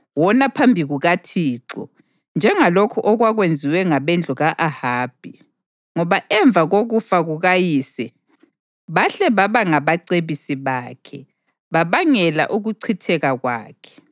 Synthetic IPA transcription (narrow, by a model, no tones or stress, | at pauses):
wɔnapʰambʱiɣuɣatʰiːǁɔ̰ | nd͡ʒʱɛŋalokʰɔʔɔɣwaɣwend͡zʱiwɛŋaβɛnd͡ɮʱuɣaʔahaːb̥ʱi | ŋɔβaʔɛɱb̪vʱaɣoɣufaɣuɣajiːsɛ | βaɬɛβaβaŋaβaǀeβisiβaːkʰɛ | βaβaŋɛla̰ʔuɣuǀʰitʰɛɣaɣwa̰ːkʰɛ̥